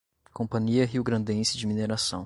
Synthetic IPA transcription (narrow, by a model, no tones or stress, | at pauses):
kõpɐ̃ɲiɐɦiwɡɾɐ̃nd̪ẽsɪd͡ʒɪmineɾasɐ̃w̃